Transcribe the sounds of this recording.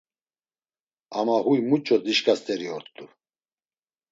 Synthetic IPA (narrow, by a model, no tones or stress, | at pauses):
amahujmut͡ʃʼɔt͡siʃkʼast̪ʼɛɾiɔɾt̪ʼu